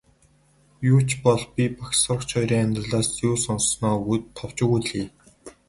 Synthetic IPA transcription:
jʊːt͡ɕpɔɮpʲipaksɔrkt͡ɕʰɔjɾiːŋanʲt̪rə̆ɮaːsjuːsɔnsnɔːɡut̪ʰːɔw̥t͡ɕɪ̆ɣuɮiː

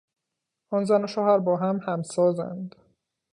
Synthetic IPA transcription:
ʔɒːnzænoʃɒːhæɾbɒːɦæmhæmsɒːzæ̰nd̪

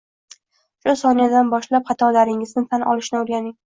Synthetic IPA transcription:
ʃʊsɒnad̪anbɒʃlap̚χɑt̪ʰɒlaɾɪŋɪznɪt̪ʰanʔɒ̰lˠɪʃnɪʊɾɡʲanɪŋ

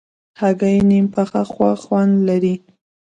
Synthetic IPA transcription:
haɡajnimpaxaxwaxwand̪laɾi

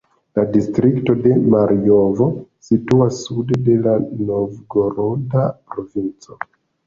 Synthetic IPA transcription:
ladistɾikto̞de̞maɾiovo̞situasːudede̞lanovɡo̞ɾondapɾo̞vint͡so

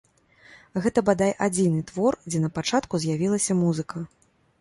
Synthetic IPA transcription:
ɣɛt̪ɐbad̪ajʔad͡zʲinɨt̪vɔrd͡zʲɛnɐpat͡ʂat̪kuzʲjavʲilˠɐsʲɐmuzɨkɐ

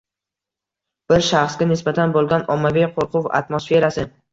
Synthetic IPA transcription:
b̥ɪɾʃaχsɡʲanɪsbat̪ʰanbolˠɡʲanɒmːavijqʰoɾqʰʊva̰t̪mosfe̞ɾasɪ

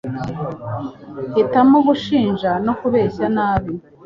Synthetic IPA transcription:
hitamoɡuʃiːnʒano̞kuβe̞ːɕanaːβi

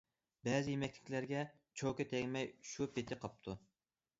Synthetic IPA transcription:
bɛzɪjemɛkʲlʰɪ̥kʲlæɾɡʲɛ | t͡ʃʰokʲɛt̪ʰɛŋʲmɛjʃupʰet̪ʰɪqʰɑp̚t̪ʰu

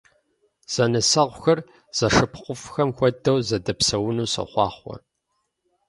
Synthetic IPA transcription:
z̥ɐnɐsɐʁʷʊxɐr | z̥ɐʂɨpʰqʷʊfxɐmxʷɔdɐwzɐdɐpsɐwʊnuːsɐ̰χʷɑ̰ːχʷɔ̰

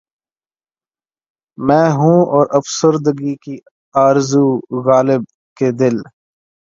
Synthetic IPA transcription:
mɛ̃ːɦũɔːɾəfsəɾd̪ɡiki | aːɾzuɣaːlɪb̚ | ked̪ɪl

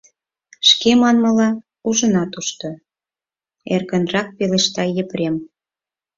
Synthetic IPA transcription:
ʃkemɑnmə̆lɑ | uʒə̆nɑt̪uʃt̪o | erɣə̆nrɑk̚peleʃt̪ɑjəpɾem

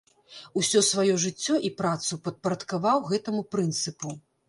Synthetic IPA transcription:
usʲɔsvajɔʐɨt͡sʲːɔʔipɾat̪supɐt̪̚pɐɾɐt̪kavawɣɛt̪ɐmupɾɨnt̪sɨpu

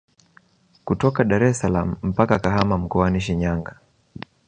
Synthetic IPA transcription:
kutɔkaɗaɾɛsalam̩m̩pakakaɦamam̩kɔaniʃiɲaŋɡa

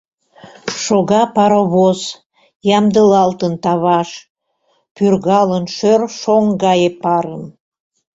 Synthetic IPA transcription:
ʃoɣɑpɑɾoβos | jɑmd̪əlɑlt̪ənt̪ɑβɑʃ | pyrɣɑlənʃørʃoŋɡɑjepɑɾəm

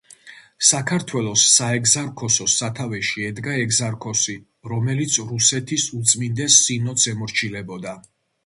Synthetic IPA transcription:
sakʰaɾt̪ʰwɛlˠɔsːaɛkzaɾkʰɔsɔsat̪ʰavɛʃiɛd̪ɡaɛɡzaɾkʰɔsi | ɾɔmɛlit̪sʰɾusɛt̪ʰisut̪sʼmind̪ɛsːinɔt̪sʰɛmɔɾt͡ʃʰilɛbɔd̪a

